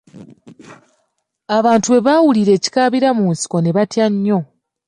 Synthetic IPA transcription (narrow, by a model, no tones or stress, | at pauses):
aβaːntue̞βaːwuliɾe̞ːci̥kaːβiɾamuːnsi̥ko̞ne̞βatjaɲːo̞